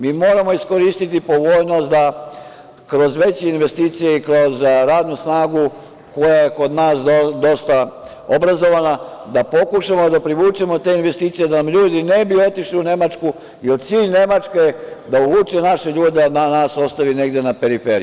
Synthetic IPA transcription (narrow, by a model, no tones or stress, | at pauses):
miːmo̞ːɾamo̞iskoɾiːst̪it̪ipo̞ʋo̞ːjno̞st̪d̪a | kɾo̞zʋe̞t͡ɕeinʋe̞st̪iːt̪sije̞ikɾo̞zɾaːd̪nusnaːɡu | ko̞jajeko̞d̪naːsd̪o̞st̪a | obɾazo̞ʋana | d̪apo̞kuʃamo̞d̪apɾiʋuːt͡ʃemo̞t̪e̞ːinʋe̞st̪iːt̪sije̞d̪anamʎuːd̪ine̞bio̞t̪iʃliune̞mat͡ʃku | io̞d̪t̪siːʎne̞mat͡ʃked̪auʋuːt͡ʃenaʃeʎuːd̪eananaːso̞st̪aʋine̞ɡd̪e̞nape̞ɾifeɾḭju